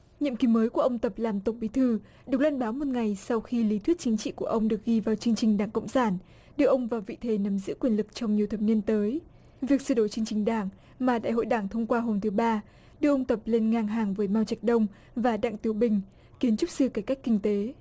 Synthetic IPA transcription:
ɲḭ˧˨mki˨˦məː˨˦jku˧˩əʔə˧wŋ͡mt̪ə˨˩p̚laː˨˩mt̪ə˨˩wk͡p̚ɓi˨˦t̪ʰɨ˧˩ | ɗɨ˨˩ək̚lwaː˧nɓaː˨˦wmo˨˩t̚ŋa˨˩jsa˧wxi˧li˨˦t̪wi˦˥t̚t͡ɕï˨˦ŋ̟t͡ɕḭ˧˨ku˧˩əʔə˧wŋ͡mɗɨ˨˩ək̚ɣi˧vaː˨˩wt͡ɕɨ˧əŋt͡ɕï˨˩ŋ̟ɗaː˧˩ŋkə̰˧˨wŋ͡msaː˧˩n | ɗɨ˨˩ək̚ʔə˧wŋ͡mvaː˨˩wvḭ˧˨t̪ʰe˨˦nə˨˦mzɨ̰˧˥kwi˨˩ənlɨ˨˩k̚t͡ɕɔ˧wŋ͡mɲi˨˩əwt̪ʰə˨˩p̚ni˧ənt̪əː˨˦j | vi˨˩ək̚sɨ̰˧˩ɗo˧˩jt͡ɕɨ˧əŋt͡ɕï˨˩ŋ̟ɗaː˧˩ŋ | maː˨˩ɗa̰ː˧˨jɦo̰˧˨jɗaː˧˩ŋt̪ʰə˧wŋ͡mkwaː˧ɦo˧mt̪ʰɨ˨˦ɓaː˧ | ɗɨ˧ək̚ʔə˧ŋ͡mt̪ə˨˩p̚le˧nŋaː˧˩ŋɦaː˨˩ŋvəː˨˦jmaː˧wt͡ɕa˨˩jk̟̚ɗə˧wŋ͡m | vaː˨˩ɗa̰ː˧˨ŋt̪i˨˦əwɓï˨˩ŋ̟ | ki˨˦ənt͡ɕʊ˦˥k͡p̚sɨ˧ka˧˩ka˦˥jk̟̚kï˧ŋ̟t̪e˨˦

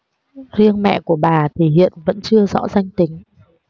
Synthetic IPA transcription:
zi˧ənmɛ̰˧˨ku˧˩əɓaː˨˩t̪ʰi˨˩hḭ˧˨ənvə̰˧˥nt͡ɕɨ˧əzɔ̰˧˥za˧jŋ̟t̪ï˨˦ŋ̟

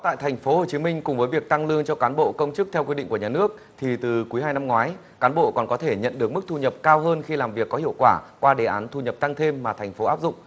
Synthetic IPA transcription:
t̪a̰ː˧˨jt̪ʰa˨˩ŋ̟fo˨˦ho˨˩t͡ɕi˨˦mï˧ŋ̟kʊ˨˩ŋ͡mvəː˨˦jvi˨˩ək̚t̪a˧ŋlɨ˧əŋt͡ɕɔ˧kaː˨˦nɓo̰˧˨kə˧wŋ͡mt͡ɕɨ˦˥k̚t̪ʰɛ˧wkwi˧ɗḭ˧˨ŋkəɲaː˨˩nɨ˦˥ək̚ | t̪ʰi˨˩t̪ɨ˨˩ku˨˦jɦaː˧jna˧mŋwaː˨˦j | kaː˨˦nɓo̰˧˨kɔ˨˩nkɔ˨˦t̪ʰe˧˩ɲə̰˧˨nɗɨ˨˩ək̚mɨ˦˥k̚t̪ʰu˧ɲə˨˩p̚kaː˧wɦəː˧nxi˧laː˨˩mvi˨˩əkːɔ˨˦hḭ˧˨əwkwaː˧˩kwaː˧ɗe˨˩ʔaː˨˦nt̪ʰu˧ɲə˨˩p̚t̪a˧ŋt̪ʰe˧mːaː˨˩t̪ʰɛ˨˩ŋ̟fo˨˦ʔaː˦˥p̚zʊ̰˧˨ŋ͡m

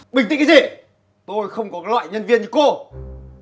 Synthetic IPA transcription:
ɓï˩ŋt̪ḭ˧˨ŋkzi˨˩ | t̪o˧jxə˧wŋ͡mkɔ˨˦kːlwa̰ː˧˨jɲə˧nvi˧ənt͡ɕɨ˨˧˦ko˧

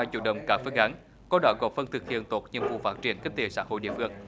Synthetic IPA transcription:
aː˧˩jt͡ɕṵ˧˩ɗə˨˩wŋ͡mkaː˧˩fɨ˧ŋʔa˨˦n | kɔ˨˦ɗɔ˨˦ɣɔ˨˩p̚fə˧nt̪ʰɨ˨˩k̚hḭ˧˨ənt̪o˨˩t̚ɲə̰˧ənvṵ˧˨˩faː˦˥t̚t͡ɕi˧˩ənki̟˦˥t̪e˧˨˩sa̰ː˧˥ɦo̰˧˨jɗḭ˧˨əfɨ˧˩əŋ

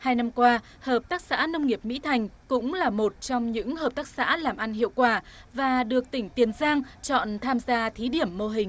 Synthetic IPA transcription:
haː˧jna˧mkwaː˧ | həː˨˩p̚t̪aː˦˥k̚sa̰ː˧˥nə˧wŋ͡mŋi˨˩əp̚mḭ˧˥t̪ʰa˨˩jŋ̟kʊ̰˧˥ŋ͡mlaː˨˩mo˨˩t̚t͡ɕɔ˧wŋ͡mɲɨ̰˧˥ŋhəː˨˩p̚t̪aː˦˥k̚sa̰ː˧˥laː˨˩mʔa˧nhḭ˧˨əwkwaː˧˩vaː˨˩ɗɨ˨˩ək̚t̪ï˧˩ŋ̟t̪i˨˦ənzaː˧ŋt͡ɕɔ̰˧˨nt̪ʰaː˧mzaː˧t̪ʰi˨˦ɗi˧˩əmːo˧ɦï˨˩ŋ̟

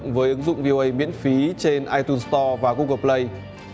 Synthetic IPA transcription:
ŋvəː˨˦jʔɨ˨˦ŋzʊ̰˧˨ŋ͡mvi˧o˧ʔə˧jmḭ˧˥ənfi˨˦t͡ɕe˧nʔaː˧jt̪u˧nst̪ɔ˧vaː˨˩ku˧ɣə˨˩p̚lə˧j

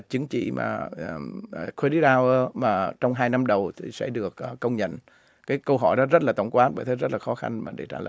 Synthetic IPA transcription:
t͡ɕɨ˨˦ŋt͡ɕḭ˧˨ma̰ː˨˩˨ | kʰwe˧ɗi˦ɗaː˧wə˧maː˨˩t͡ɕɔ˧wŋ͡mɦaː˧jna˧mɗə˨˩wt̪ʰi˨˩sɛ̰˧˥ɗɨ˨˩ək̚ʔːə˧wŋ͡mɲə̰˧˨n | kaː˨˦jkə˧wɦɔ˧˩jɗɔ˨˦zə˦˥t̚laː˨˩t̪ə˧˩wŋ͡mkwaː˨˦nɓəː˧˨˩j̪t̪ʰə˨˦zə˦˥t̚laː˨˩xɔ˨˦xa̰˧nmaː˨˩ɗe˧˩t͡ɕaː˧˩lə̰ː˧˨

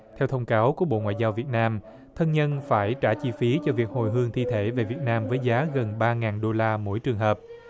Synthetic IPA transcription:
t̪ʰɛ˧wt̪ʰə˧wŋ͡mkaː˨˦wku˧˩əɓo̰˧˨ŋwa̰ː˧˨zaː˧wvi˨˩ət̚naː˧m | t̪ʰə˧nɲə˧nfaː˧˩jt͡ɕaː˧˩t͡ɕi˧fi˨˦t͡ɕɔ˧vi˨˩ək̚ho˨˩jɦɨ˧əŋt̪ʰi˧t̪ʰe˧˩ve˨˩vi˨˩ət̚naː˧mvəː˨˦jzaː˨˦ɣə˨˩nɓaː˧ŋaː˨˩nɗo˧laː˧mo̰˧˥jt͡ɕɨ˨˩ŋɦəː˨˩p̚

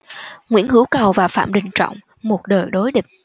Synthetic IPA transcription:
ŋwḭ˧˥ənhɨ˨˦əwkə˨˩wvaː˨˩fa̰ː˧˨mɗï˨˩ŋ̟t͡ɕɔ̰˧˨wŋ͡m | mo˨˩t̚ɗəː˨˩jɗo˨˦jɗï˨˩ŋ̟

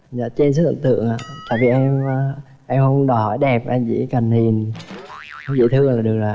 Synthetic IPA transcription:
za̰ː˧˨t͡ɕe˧ns̬ɨ˦˥ʔə̰˧˩t̪ɨ̰˧˨əŋʔa̰ː˧˨t̪aː˨˩vḭ˨˩ʔɛ˧mː˧ | ʔɛ˧mhə˧wŋ͡mɗɔ˨˩jhɔ˧˩jɗɛ˨˩p̚ʔa˧mt͡ɕḭ˧˥kə˨˩ŋhi˨˩ən | kɔ˧˦zḭ˧˨˥t̪ʰɨ˧əlaː˨˩ɗɨ˨˩ək̚zaː˨˩

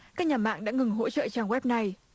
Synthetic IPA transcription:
kaː˦˥k̚ɲaː˨˩ma̰ː˧˨ŋɗa̰ː˧˥ŋɨ˨˩ŋɦo̰˧˥t͡ɕə̰ː˧˨t͡ɕaː˧˩ŋwɛ˦˥p̚na˨˧˩j

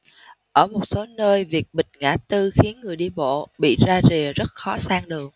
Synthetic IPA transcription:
ʔəː˧˩mo˨˩t̚so˨˦nəː˧jvi˨˩ək̚ɓï˨˩ŋ̟̚ŋa̰ː˧˥t̪ɨ˧xi˨˦ənŋɨ˨˩əjɗi˧ɓo̰˧˨ɓḭ˧˨zaː˧ze˨˩zə˦˥t̚xɔ˨˦saː˧ŋɗɨ˨˩əŋ̚

